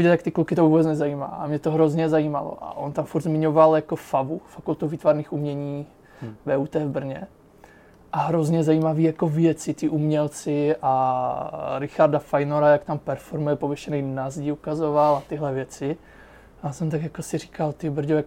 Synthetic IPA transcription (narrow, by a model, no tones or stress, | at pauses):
viɟɛljakt̪ɪklukɪt̪ovuːbɛt͡snɛzajiːma̰ːʔamɲɛt̪oɦɾozɲɛzaiːma̰lo̰ʔa̰ʔont̪amfuɾd̪zmɪɲovaljakofavufakult̪uviːt̪vaɾniːxumɲɛɲiː | vɛːut̪ɛːvbr̩ɲɛ | ʔaɦɾozɲɛzajiːmaviːjakovjɛt͡sɪt̪ɪʔumɲɛlt͡sɪʔa | ɾɪxaɾdafajnoɾajakt̪ampɛɾfoɾmujɛpovjɛʃɛnɛjnazɟɪukazovalat̪ɪɦlɛvjɛt͡sɪ | jaːsɛmt̪aɡjakosɪɾiːkalt̪ɪbɾ̩ɟojak